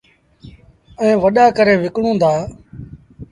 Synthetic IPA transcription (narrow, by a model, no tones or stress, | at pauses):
ɛ̃ːʋəɗaːkəɾẽːʋɪkɳõːd̪aː